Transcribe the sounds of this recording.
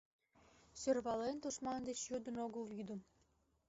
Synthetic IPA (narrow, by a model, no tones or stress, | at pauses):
sørβɑlent̪uʃmɑnd̪et͡ɕjud̪ənoɣəljyd̪ə̆m